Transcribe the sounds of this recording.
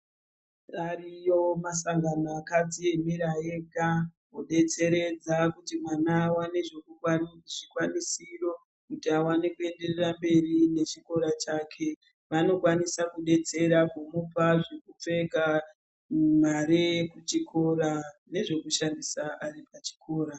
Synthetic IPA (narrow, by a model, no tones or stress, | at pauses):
arijo̞masaŋɡanoakad͡zie̞miɾaeɡa | oɗe̞t͡se̞ɾe̞d͡zakutimwanawane̞ʐe̞kukwaʐikwanisiro̞ | kutiawanekue̞nde̞rerambe̞rine̞t͡ʃiko̞ɾat͡ʃaːkʰe̞ | ʋano̞kwanisakuɗe̞t͡se̞ɾakomupaʐekup͡fe̞ka | umaɾekut͡ʃikʰo̞ɾane̞ʐe̞kuʃandisaʔaripat͡ʃi̥kʰo̞ːɾa